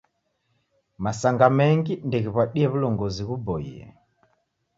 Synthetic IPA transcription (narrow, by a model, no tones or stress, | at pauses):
masaŋɡamɛŋɡindɛɣiβwaɗiɛβulɔŋɡɔziɣubɔḭɛ̰